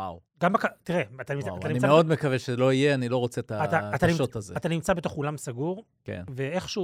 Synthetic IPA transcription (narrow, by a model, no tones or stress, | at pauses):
a | ɡambakat̪iʁeat̪animaatanimnimaeod̪mekaveʃezelo̞ijeanilo̞ʁot͡set̪aat̪aːt̪animʃot̪azeat̪animt͡sabet̪o̞χulamsaɡuʁ | kḛnveeχʃu